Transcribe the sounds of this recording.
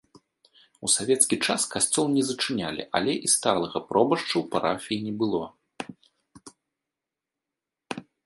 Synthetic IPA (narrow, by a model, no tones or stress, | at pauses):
usavʲɛt̪skʲit͡ʂaskasʲt͡sʲɔlˠnʲɛzɐt͡ʂɨnʲalʲḭʔa̰lʲɛʔist̪alˠɐɣɐpɾɔbɐʂt͡ʂɐwpaɾa̰fʲijinʲɛbɨlˠɔ